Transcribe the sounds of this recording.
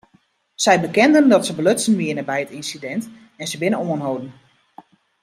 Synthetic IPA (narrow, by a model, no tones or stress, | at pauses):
sɛjbəkɛndəndɔtsəbəløsənʋiənəbɛjətinsidɛnt | ɛnsəbɪnəoənɦowdən̩